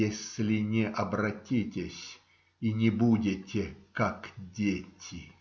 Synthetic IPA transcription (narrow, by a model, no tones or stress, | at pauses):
esʲlʲɪnʲɪʔɐbrɐtʲitʲɪsʲ | inʲɪbudʲɪtʲɪkakdʲetʲɪ